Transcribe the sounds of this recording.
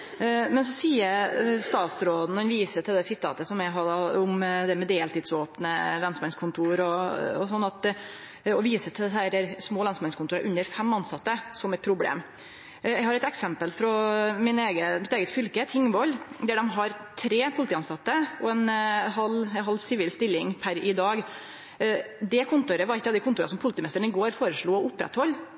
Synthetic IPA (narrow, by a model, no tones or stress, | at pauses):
mɛns̬ɔsiːəst̪ɑːt̪sɾoːd̪n̩ɛnʋiːsət̪ʰɪld̪ɛsɪt̪ʰɑ̰ːt̪əsɔmɛɦɑʊmd̪ɛmɛd̪eːlt̪iːd̪soːpnəlɑnsmɛnskʰʊnt̪ʰuːɾɔɔsɔnːɑt̪ | ɔʋiːsət̪ʰɪld̪ɛæɾæɾsmoːlɑnsmɛnskʊnuːɾɑ̰ʔʉnːəɾfɛmːɑnsɑt̪ːəsɔmɛt̪pʰɾʊblḛːm | ɛɡhɑɾɛt̪ɛksɛmpəlfɾɔmɪneːɡəmɪt̪eːɡət̪fʏlkət̪ʰɪŋʋɔld̪æɖɛmɦɑɾt̪ʰɾeːpʰʊlɪt̪iːɑnst̪ɑt̪ːəɔɛnɦɑlɦɑlːsɪʋiːlst̪ɪlːɪŋpʰæɾɪd̪ɑːɡ | d̪ɛkʰʊnt̪ʊɾəʋɑɾɪkːɑd̪ɪkʰʊnt̪ʊːɾɑsɔmpʰʊlɪt̪iːmɛst̪əɳɪɡoːɾfoːɾəʂɭuːɔʊpɾɛ̰t̪hɔlː